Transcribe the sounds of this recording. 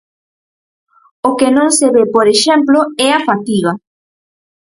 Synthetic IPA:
okenõŋseβepoɾeʃɛmploɛafat̪iɣɐ

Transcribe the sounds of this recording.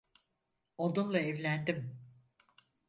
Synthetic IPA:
onunlˠaɛvlʲænd̪im

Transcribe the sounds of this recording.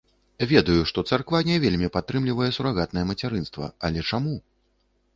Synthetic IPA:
vʲɛd̪ɐjuʂt̪ɔt̪sarkvanʲɛvʲelʲmʲipat̪ːɾɨmlʲivɐjɛsuɾaɣat̪nɐjɛmɐt͡sʲaɾɨnst̪vɐ̰ɐlʲɛt͡ʂamu

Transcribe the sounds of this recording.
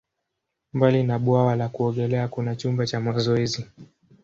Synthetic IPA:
mbalinaɓwawalakuɔɠɛlɛakunat͡ʃumbat͡ʃamazɔɛzi

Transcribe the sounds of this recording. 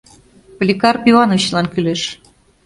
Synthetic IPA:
plʲikɑrpʲivɑnovt͡ɕlɑnkyleʃ

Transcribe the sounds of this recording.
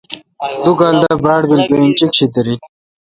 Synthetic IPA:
d̪ukaːld̪abaːɽbilpent͡ɕikɕit̪ɐɾi

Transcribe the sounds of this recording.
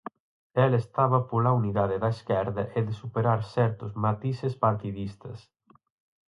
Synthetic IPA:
ɛlest̪aβɐpolauniðaðeðaeskɛɾðɐʔeðesupeɾaɾsɛɾt̪ozmat̪isespaɾt̪iðist̪ɐs

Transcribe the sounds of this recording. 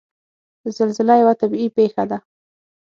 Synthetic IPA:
əzalzɪlajawat̪abiipexad̪a

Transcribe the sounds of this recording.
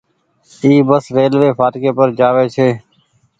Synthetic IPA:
iːbəsɾeːlʋeːpʰaːʈkeːpəɾd͡ʒaːʋeːt͡ʃʰeː

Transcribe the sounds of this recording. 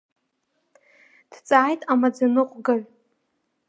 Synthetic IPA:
d̥t͡sʼaːjtʼamad͡zanɨqʷʼɡaʕ

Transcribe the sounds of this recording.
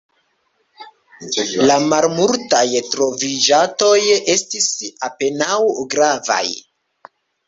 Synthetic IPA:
lamalmultajtɾo̞vid͡ʒato̞je̞stisape̞nawɡɾava̰j

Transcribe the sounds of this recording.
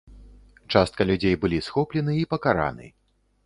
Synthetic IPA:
t͡ʂast̪̚kɐlʲud͡zʲejbɨlʲisxɔplʲɛnɨipɐkaɾa̰nɨ̰

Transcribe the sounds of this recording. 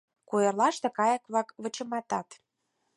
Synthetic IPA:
kujɤ̆rlɑʃt̪ɤ̆kɑjəkβlɑkβə̆t͡ɕɤ̆mɑt̪ɑt̪

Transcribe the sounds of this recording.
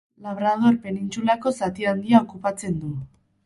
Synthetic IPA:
laβ̞ɾað̞o̞ɾpe̞nint͡sulako̞sat̪iand̪iao̞kupat͡se̞nd̪u

